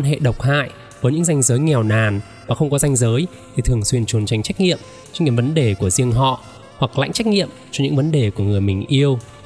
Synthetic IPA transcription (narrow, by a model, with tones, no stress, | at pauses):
nɦḛ˧˨ɗə˨˩wk͡p̚ha̰ː˧˨j | vəː˨˦jɲɨ̰˧˥ŋza˧jŋ̟zəː˨˦jŋɛ˨˩wnaː˨˩n | vaː˨˩xə˧wŋ͡mkɔ˨˦za˧jŋ̟zəː˨˦j | t̪ʰi˨˩t̪ʰɨ˨˩əŋswi˧ənt͡ɕu˨˩ənt͡ɕa˨˩jŋ̟t͡ɕa˦˥k̟̚ŋḭ˧˨əm | t͡ɕɔ˧nki˨˦və˨˦nɗe˨˩ku˧˩əzi˧əŋɦɔ̰˧˨ | hwa˨˩k̚la̰˧˥jŋ̟t͡ɕa˦˥k̟̚ŋḭ˧˨əmt͡ɕɔ˧ɲɨ̰˧˥ŋvə˨˦nɗe˨˩ku˧˩əŋɨ˨˩əmï˨˩ŋ̟ʔi˧əw